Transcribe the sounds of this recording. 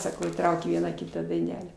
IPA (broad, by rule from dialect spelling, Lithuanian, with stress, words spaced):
sɐˈkɐʊ iːˈtrɐʊkʲeː ˈʋʲiɛnɑː ˈkʲɪtɑː dɐɪˈnʲæːlʲæː